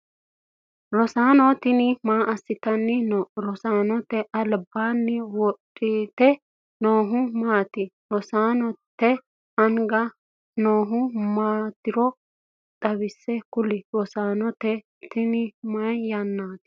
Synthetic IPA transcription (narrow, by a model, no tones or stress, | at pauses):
ɾɔsaːnɔt̪ɪnɪmaːʔɐsːɪt̪ɐnːɪnɔɾɔsaːnɔt̪ɛʔɐlbaːnːɪwɔtʼːit̪ɛ | noːɦʊmaːt̪ɪ | ɾɔsaːnɔt̪ːɛ | ɐŋɡɐ | noːɦʊmaːt̪ɪɾɔ | t̪ʼɐβɪsːɛkʊlɪɾɔsaːnɔt̪ɛ | t̪ɪnɪmɐjjɐnːaːt̪ɪ̥